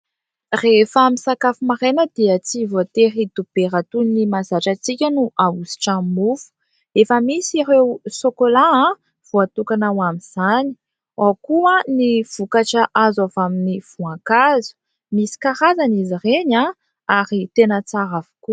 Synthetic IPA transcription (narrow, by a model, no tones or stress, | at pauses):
refamisakafumaɾenəd̪̥iət͡sivoat̪eɾid̪̥ub̥eɾat̪unimazaʈ͡ʂat͡sikʲənuʔaɡusi̥ʈ͡ʂãmufu̥ | efəmisiɾewsokolaã | v̥uat̪ukanawamiz̥ani̥ | akuãniv̥ukaʈ͡ʂaʔazavaminiv̥uãkazu̥ | misi̥kaɾazanizireɲã | aɾit̪enət͡saɾavu̥ku